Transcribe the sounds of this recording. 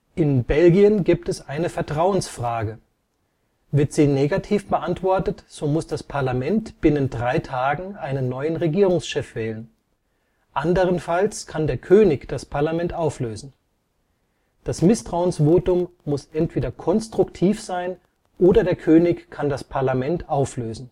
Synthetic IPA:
ʔɪnbɛlɡiənɡiːp̚tɛsʔaɪnəfɛɐtʁ̥aʊənsfʁ̥aːɡə | vɪɐtz̥iːneːɡatʰiːfb̥əʔantv̥ɔɐtətz̥oːmʊsd̥aspʰaɐlamɛntb̥ɪnəndʁaɪtʰaːɡŋ̩ʔaɪnənːɔʏənʁeɡiːʁ̞ʊŋsʃɛfv̥ɛːlən | ʔandəʁ̞ənfalskʰandeːɐkʰøːnɪçd̥aspʰaɐlamɛntʔaʊfløːzn̩ | d̥asmɪstʁ̥aʊənsv̥oːtʊmːʊsʔɛntv̥eːdɐkʰɔnstʁ̥ʊktʰiːfz̥aɪn | ʔoːdɐdeːɐkʰøːnɪçkʰandaspʰaɐlamɛntʔaʊfløːzn̩

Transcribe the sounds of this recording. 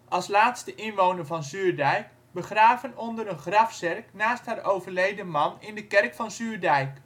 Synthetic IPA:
ʔɑlˠslaːtstəʔɪnʋownəvɑnzyːrdɛjk | bəχraːvənɔndəɾənχrɑfsɛrknaːstharʔowvərlejdəmɑnɪndəkɛrkfɑnsyːrdɛjk

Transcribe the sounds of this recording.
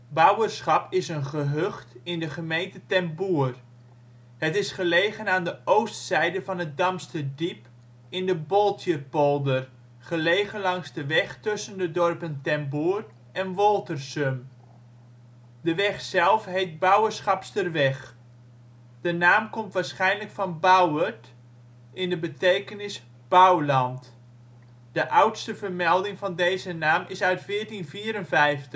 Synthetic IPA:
bʌwərsχɑpɪsənχəɦøχtɪndəχəmejntətɛmbuːər | hətɪsχəlejχənaːndəʔowstsɛjdəvɑnət̚dɑmstədip | ɪndəbɔlˠtjəpolˠdər | χəlejχənlɑŋzdəʋɛχtʏsəndədɔrpəntɛmbuːr | ɛnʋɔlˠtərsøm | dəʋɛχsɛlˠfɦejt̚bawərsχɑpstərʋɛχ | d̥ənaːmkɔmtʋaːɹsχɛjnləkfɑnbawət | ɪndəbətejkənɪs | b̥awlɑnt | d̥əʔawtstəvərmɛlˠdɪŋvɑndejzənaːmɪsœɥtfɪːɹtinfiːəɾənvɛjftə

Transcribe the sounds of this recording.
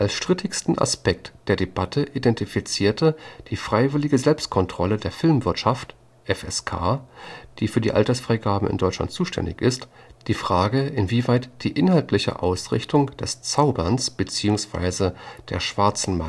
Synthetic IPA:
ʔalsʃtʁ̥ɪtʰɪçstn̩ʔa̰spɛk̚td̥eːɐdebatʰəʔidɛntifit͡siːɐtʰəd̥iːfʁ̥aɪvɪlɪɡəzɛlpst̚kʰɔntʁ̥ɔlədeːɐfɪlmvɪɐtʃaft | ʔɛfɛskʰa̰ːd̥iːfyːɐdiːʔa̰ltɐsfʁ̥aɪɡaːbm̩ɪ̰ndɔʏt͡ʃla̰ntt͡suːʃtʰɛ̰ndɪ̰çɪst | d̥iːfʁ̥aːɡəʔɪnviːvaɪtd̥iːʔɪnɦaltʰlɪçə̰ʔa̰ʊsʁɪ̰çtʰʊŋd̥ɛst͡saʊbɐnsb̥ət͡siːʊŋsv̥a̰ɪzəd̥ḛːɐʃv̥aɐt͡sn̩ma

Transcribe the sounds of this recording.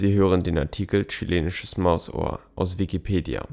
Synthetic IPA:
z̥iːɦøːʁəndeːnaɐtʰiːkəlt͡ʃilʔeːnɪʃəsmaʊso̰ːɐ̰ʔaʊs̬v̥ikipʰeːdja̰

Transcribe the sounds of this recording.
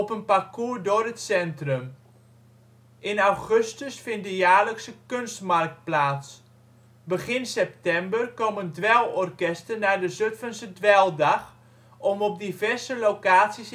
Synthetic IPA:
ɔpənpakuːɹdoːrətsɛntrəm | ɪnawχøstəsfɪnt̚dəjaːləksəkønstmark̚t̚plaːts | bəχɪnsɛp̚tɛmbərkɔməndʋɛlˠɔrkɛstənadəzøtfənsədʋɛlˠdaχ | ɔmɔp̚divɛrsəlowkaːtsis

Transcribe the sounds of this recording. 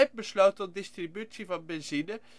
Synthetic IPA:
ɛf̚bəslowtəndɪstribytsivɑnbɛnzinə

